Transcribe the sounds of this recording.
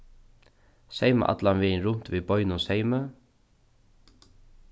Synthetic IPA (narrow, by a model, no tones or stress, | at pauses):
sejmə̰ʔa̰t̪lanvɪnɾʊn̥t̪ʋiːbɔʏnʊnsejmə